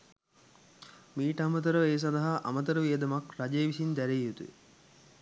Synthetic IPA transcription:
miːʈɐmət̪̬əɾəeːs̬ɐnd̪ɐɦaʔɐ̰mɐt̪̬əɾəʋijɐd̪ɐmɐkɾad͡ʒeːʋisind̪æɾejːut̪uḛ

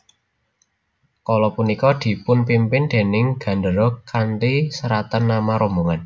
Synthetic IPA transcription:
kɔlɔpunikɔd̪̥i̤pʊnpimpɪnd̪̥e̤nɪŋɡ̥ä̤ndəɾɔkant̪isəɾat̪ənːamaɾɔmboŋan

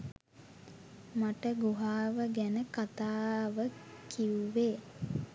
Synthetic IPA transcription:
maʈəɡuɦaːʋəɡænəkat̪aːʋəkiuʋeː

